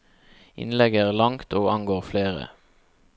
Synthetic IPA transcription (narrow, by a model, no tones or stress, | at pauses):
ʔɪ̰nlɛɡəæːʁlɑŋt̪ʰoːɑŋɡoːʁfleːʁə̰